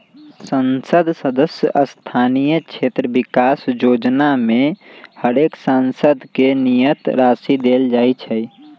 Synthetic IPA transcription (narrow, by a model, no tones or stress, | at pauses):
sənsəd̪ʱsəd̪əsjə̰ʔəst̪ʰanijət͡ʃʰet̪ɾəbikasd͡ʒod͡ʒnamehəɾeksansəd̪ʱkenijət̪ɾasid̪eld͡ʒajt͡ʃʰɛj